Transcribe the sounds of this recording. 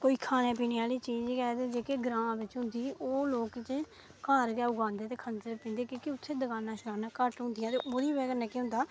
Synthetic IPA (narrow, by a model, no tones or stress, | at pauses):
koːiːkʰaːnẽːp̬iːneːaːliːt͡ʃiːd͡ʒkɛːt̪ed͡ʒeːkeːɡɾãːʋɪt͡ʃɦʊ̃nd̪iːʔoːloːkt͡ʃ | kaːɾɡɛːʊɡãːnd̪eːt̪eːkʰənsəɾpĩːnd̪eːkĩːkɪʊt̪ʰːeːd̪əkaːnãːʃəkaːnãːkəʈɦʊ̃nd̪ɪjãːt̪eːʔoːɾiːbɛːkənɛːkeɦʊ̃nd̪aː